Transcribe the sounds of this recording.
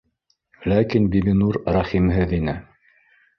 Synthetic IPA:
lækinbibinuɾɾɑχimɦɘðinɘ

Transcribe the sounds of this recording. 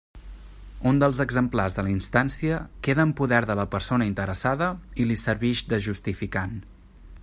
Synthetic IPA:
und̪əlˠzəɡzəmplarzðələinst̪ansiəkeðəːmpuðɛɾðələpəɾsonəint̪əɾəsaðəilisəɾβiʃd̪əʒust̪ifikan

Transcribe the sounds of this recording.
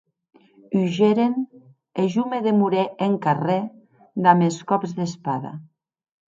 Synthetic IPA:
yʒeɾen | eʒumeðemuɾeʔeŋkare | d̪ameskɔpzðespaða̰

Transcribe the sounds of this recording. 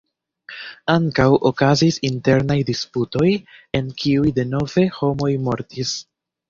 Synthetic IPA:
aŋkawʔo̞kazisinte̞ɾnajdisputo̞je̞nkʰiujde̞no̞ve̞ho̞mo̞jmo̞ɾtis

